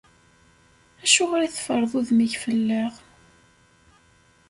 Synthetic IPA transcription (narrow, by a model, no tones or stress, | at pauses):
æʃuʁɾæθfəɾˤðˤuðmiʝfəlːəʁ